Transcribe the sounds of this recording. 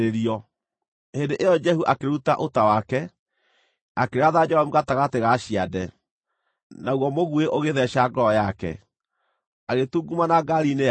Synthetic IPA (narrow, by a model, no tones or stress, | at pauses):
eɾiɔ | hendeʔejɔd͡ʒɛɦuʔakeɾutaʔotawakɛ | akeɾaðad͡ʒɔɔmuɣataɣateɣaɕiadɛ | naɣwɔmoɣueʔoɣeðɛʃaɡɔɔjakɛ̰ | aɣetuɡumanaɡaɾine